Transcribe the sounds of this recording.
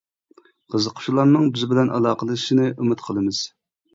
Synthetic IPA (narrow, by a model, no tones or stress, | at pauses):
qʰəzəqʰʊ̥ʃulˠɑɾnɨŋbɪzbɪlɛnʔɑ̰lˠɑːqəlˠɨʃinɨʔumɨt̪qʰəlˠɨmɨz̥